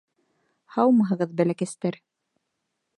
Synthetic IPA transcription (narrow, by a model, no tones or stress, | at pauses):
hɑwmɤɦɤ̆ʁɤðbælækæst̪æɾ